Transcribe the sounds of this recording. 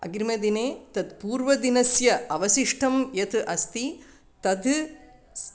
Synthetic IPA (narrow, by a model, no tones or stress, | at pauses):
ɐ̰ɡɾmɐd̪ineːt̪ɐd̪puːɾʋɐd̪inɐsjɐɐʋɐʃiʂʈʰɐmjɐt̪ʰɨʔɐst̪i | t̪ɐd̪